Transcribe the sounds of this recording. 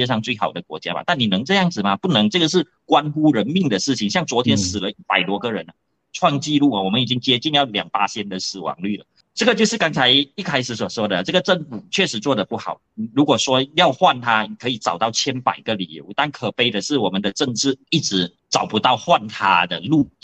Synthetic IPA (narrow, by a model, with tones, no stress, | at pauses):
ɛ˥ʂɑ˥˧ŋt͡swe˥˩ɪxɑ˨˩ʊd̪ə˩˦kwɔ̰˧˥t͡ɕja̰˥ma̰˨t̪a˥˩nni˨˩nɤ˧˥ŋʈ͡ʂɤ˥˧jɑ˥˩ŋd͡zɹ̩˨˩mɐ˨pu˥˩nɤ˧˥ŋʈ͡ʂɤ˥˩ɡə˩ʂ̬ɻ̩˥˩ | kwa˥nxu˥ɻə˧˥nmi˥˩ŋd̪ə˩ʂɻ̩˥˩t͡ɕʰi˨˩ŋɕjɑ˥˩ŋt͡swɔ˧˥t̪ʰjɛ˥nsɹ̩˨˩lə˦i˥˩pa˨˩ɪlwɔ˧˥kə˧ɻə˧˦nə˧ | ʈ͡ʂʰwɑ˥˧ŋt͡ɕi˥˧lu˥˩ɐ˨˩wɔ˨˩mə˦ni˨˩t͡ɕi˥ŋt͡ɕjɛ˥t͡ɕi˥˧njɑ˥˩ʊljɑ̰˨˩ŋpa˥ɕjɛ˥nd̪ə˨sɹ̩˨˩wɑ̰˧˥ŋly˥˩lə̰˩ | ʈ͡ʂɤ˥˩ɡə˩t͡ɕjo˥˧ʂɻ̩˥˩kɑ˥ŋt͡sʰa˧˥ɪi˥˩kʰa˥ɪʂɻ̩˧˩s̬wɔ˨˩ʂwɔ˥d̪ə˨˩ʈ͡ʂɤ˥˩ɡə˩ʈ͡ʂə˥˩nfu˨˩t͡ɕʰɥɛ˥˩ʂɻ̩˧˥t͡swɔ˥˩d̪ə˩pu˥˩xɑ˨˩˦ʊ˨˩ɻu˧˥kwɔ˨˩ʂwɔ˥jɑ˥˧ʊxwa˥˩nt̪ʰa˥ni˨˩kʰɤ˧˥i˨˩t͡sɑ˨˩ʊt̪ɑ˥˩ʊt͡ɕʰjɛ˥npa̰˨˩ɪɡə˧˦lḭ˨˩jo̰˧˥ʊt̪a˥˩nkʰɤ˨˩pe˥˩ɪd̪ə˨ʂɻ̩˥˩wɔ˨˩mə˦nd̪ə˧ʈ͡ʂə˥˧ŋʈ͡ʂɻ̩˥˩i˥˩ʈ͡ʂɻ̩˧˥ | t͡sɑ˨˩ʊpu˧˥t̪ɑ˥˧ʊxwa˥˩nt̪ʰa̰˥d̪ə̰˧˩lu˥˩